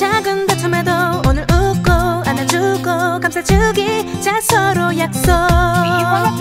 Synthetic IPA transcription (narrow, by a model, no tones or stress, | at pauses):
t͡ɕaɡɯndatʰɯmedoonɯɾɯk͈oanad͡ʑuɡokamsʰat͡ɕɯɡit͡ɕasʰʌɾojak̚s͈ʌ